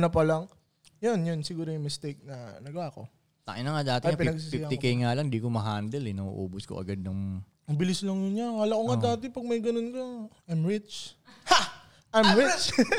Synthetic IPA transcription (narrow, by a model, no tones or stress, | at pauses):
nɐpɐlaŋ | jonjonsɪɡuːɾojʊŋmɪst̪ɛjk̚nɐnɐɡaːko̞ | t̪a̰ʔɪnɐŋad̪aːt̪ɪŋapɪɐɡ̚sisijak̪ɪkɐjŋalɐŋd̪ikomɐɦaːnd̪ɛlɛnɐṵʔo̰ːbʊskoʔɐ̰ɡad̪̚nɐŋ | mɐbɪlɪslɐŋjʊɲawɐlakoŋad̪aːt̪ɪpɐɡ̚mɐjɡɐnonkɐʔɐmɹɪt͡ʃha | ʔɐmɾɪt͡ʃ